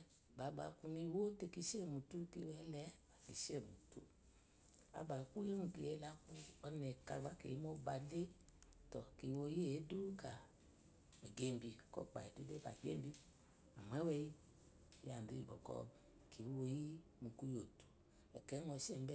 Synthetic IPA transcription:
ba˨˦ba̰˨˧ku˧ni˧˦wo˦te˧ki˧˦ʃe˦˨mu˨tu˦ki˧wɛ˨˦lɛ˨˦a˨kḭ˨ʃe˦˨mu˨tṵ˨ | a̰˨ba˨˧ku˦e˦nu˧ki˧˦je˧˦la˧˦ku˧ɔ˧nɛ˨ka˧ɡ͡ba˨˦kḛ˨i˦mɔ˦ba˧de˦tɔ˨ki˨˧wo˧˦je˦e˨˦du˦ka˨ | ɛ˨ɡe˦m˦bi˧kɔ̰˦˨k͡pa̰˨ɛ˨du˦de˦ba̰˨ɡḛ˦m˦bi˧ | a˨m˨ɛ˨˦wɛ˧˦ji˦˨ | ja˨n˨de˨˧˦i˨bɔ̰˨kɔ̰˧ | ki˨˦wo˧ji˦ | mu˧ku˦jo˨tu̥˨ | ɛ˨kɛ˨˦nɔ˧ʃɛ˦˨m˦bɛ˦

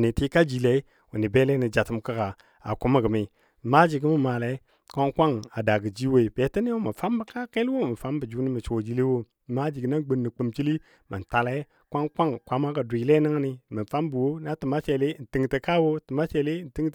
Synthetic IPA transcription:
ni˨ti˦ka˦d͡ʒi˨le˨i˦ | wu˨ni˨be˦le˦ni˨d͡ʒa˨tə˨mkə˦ɡa˨ | a̰˨ku˦mə˦˨ɡə˨mi˨ | ma˦d͡ʒi˨ɡi˦mə˦˨ma˨la˨˦ | kʷa˦ŋkʷa˦ŋa˨da˨ɡə˨d͡ʒi˦we˦i˨be˨˦ti˦ni˦wo˦mə˨fa˦mbə˨ka˦ke˦lwo˦˨mə˨fa˦mbə˨d͡ʒu˦ni˦mi˨t͡ʃo˨d͡ʒi˨˦le˦wo˦˨ | ma˦d͡ʒi˨ɡna˦ŋ˦ɡ͡bə˨nːi˨k͡pə˨mt͡ʃi˦li˦ | mə̰˨n˨ta˨la˦ | kʷa˦ŋkʷa˦ŋkʷa˦ma˦ka˨du˨i˨le˦na˦ŋ˦ni˦mə˨fa˦mbu˨wo˦na˦tə˨ma˦t͡ʃe˨le˦n̩˨ti˦ŋtə˨ka˦wo˦tə˨ma˦t͡ʃe˨le˦n̩˨ti˦ŋ˦

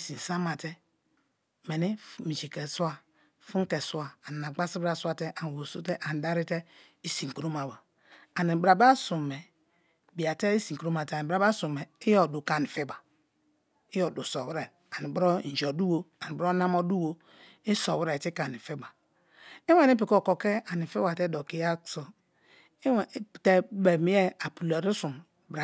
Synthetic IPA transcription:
i˨si˨n˨sa˦ma˨tɛ˦ | me˨ni˦mi˨t͡ʃi˨kɛ˨su˦a˨ | fu˦ŋ˦kɛ˨su˦a˨a˨ni˨n˨a˨ɡ͡ba˦si˦bɾa˦su˦a˦tɛ˦ʔa˨n˨wo˨su˦tɛ˦ʔa˨n˨da˦ɾi˦te˦ | i˦si˨ŋ˨ku˦ɾo˦ma˨ba˨ | a˨ni˨bɾa˨ba˦su˨mɛ˨ | bi˨a˨te˦i˦si˨ku˨ɾo˦ma˨tɛ˦˨bɾa˦ba˦su˨mɛ˨i˦jɔ˨du˨ka˨ni˨fi˦ba˨ | i˦jɔ˨du˨sɔ˨wɾɛ˨ | a˨ni˨bɾɔ˦n̩˨d͡ʒɔ˨du˦wo˦a˨ni˨bɔ˦na˦mɔ˦du˦wo˦ | i˦sɔ˨wi˦ɾɛ˨ti˦ka˨ni˨fi˦ba˨ | i˦wɛ˦˨ni˦pi˨kɔ˦˨ko˨kɛ˦a˨ni˨fi˦wa˨tɛ˦do˨ki˦ja˦so˨˦˨ | te˦be˨mi˦ɛ˦a˨pu˨la˨ɾi˦su˨m | bɾa˨

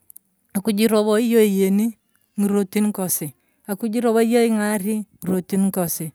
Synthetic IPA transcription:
a˨ku˨d͡ʒi˦ɾɔ˨βɔ˦i˦jo˦i˨je˨ni˦ | ŋi˨ɾo˨ti˦nkɔ˨sɪ˨ | a˨ku˦d͡ʒi˦ɾɔ˦βɔ˦i˦jɔ˦i˦ŋa˦ɾi˦ŋi˨ɾo˨ti˦nkɔ˨sɪ˨

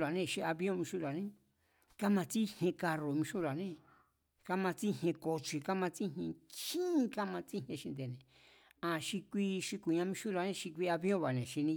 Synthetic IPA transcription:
ɾa˨nẽ˧˨ʃi˧a˧βjõ˦˧mĩ˧ʃu˦la˨nẽ˦ | ka˦mã˧t͡si˦hẽ˧ka˧ɾo˨˧mĩ˧ʃu˦la˨nẽ˦ | ka˦mã˧t͡si˦hẽ˧ko˧t͡ʃi˧ka˦mã˧t͡si˦ɦẽ˧t͡ʃĩː˦˧ka˦mã˧t͡si˦ɦẽ˧ʃi˧nd̪e˨nẽ˨ | ã˧˨ʃi˧kʷi˦ʃi˧ku˨ɲã˧mĩ˧ʃu˦ɾa˧˨nẽ˧ʃi˧k̬ʷi˧a˧βjõ˦˨βa˨nẽ˨ʃi˧nĩ˧

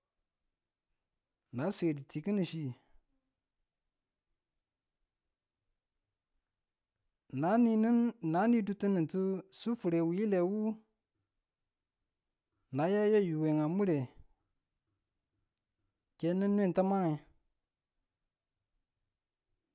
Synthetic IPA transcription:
na˨˦sʷe˨di˨ti˨ki˦ni˨ʃi˦ | na˨˦ni˦ni˦nna˨˦ni˦du˦ti˦ni˨ntu˦su˦fu˨ɾe˨wi˨˦ji˦le˨wu˦ | na˨˦ja˦ja˦˨ju˨we˨ŋa˨mu˦ɾe˨ | ke˦nə˦nː˦e˦n˨ta˦ma˦ŋe˨

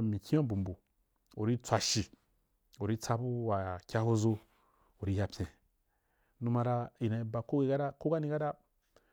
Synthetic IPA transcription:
mĩ˨kʲĩ˦a˦bu˨m˨bu˨ | o˨ɾi˦t͡sʷa˧ʃi˨ | o˨ɾi˦t͡sa˧bu˦wa˨kʲa˦ho˦zo˧ | o˨ɾi˦ja˧pʲjẽ˨ | nu˧˦ma˧ɾa˧i˨na˨i˧ba˨ko˦ɡe˦˧ɡa˦ɾa˦ko˦ɡa˦nĩ˧ɡa˦da˦

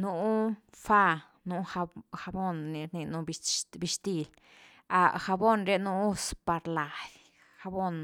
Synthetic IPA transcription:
nu˧ʔ | fa˦˧ | nu˧xa˧xa˧bo˦nːi˧ɾni˧nu˧bbi˧ʃt̪i˧l | a˧˨xa˧bo˦nɾe˧nu˧u˧spa˧ɾla˨dʲ | xa˧bo˦n

